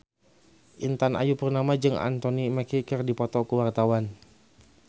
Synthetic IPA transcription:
ʔint̪ana̰jupərnamad͡ʒɨŋa̰nt̪onimɛkikərdipɔt̪ɔkəwart̪awan

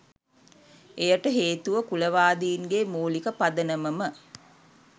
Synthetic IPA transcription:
ejəʈəɦeːt̪uʋəkuləʋaːd̪iːŋɡemuːlikəpad̪ənəməmə

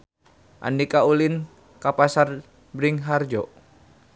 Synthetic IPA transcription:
ʔa̰ndikaulin | kapasar | bɾiŋɦard͡ʒɔ

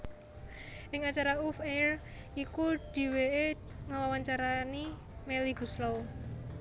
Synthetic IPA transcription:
ʔɪŋat͡ʃaɾaufer | ikud̪̥i̤wee | ŋəwawaɲt͡ʃaɾani | meliɡ̥ṳslɔw

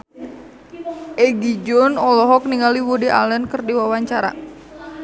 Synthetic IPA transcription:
ʔɛɡid͡ʒɔnɔlɔɦɔk̚niŋaliwodeʔa̰lɛnkərdiwawaɲt͡ʃaɾa̰

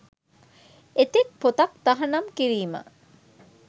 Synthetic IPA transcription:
et̪ek̚pot̪ɐk̚t̪ɐɦɐnɐmkiɾiːmɐ̰

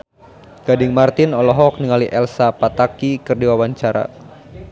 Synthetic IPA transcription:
ɡ̥adɪŋmart̪ɪnɔlɔɦɔk̚niŋaliʔɛlsapat̪akikɨrdiwawaɲt͡ʃaɾa̰

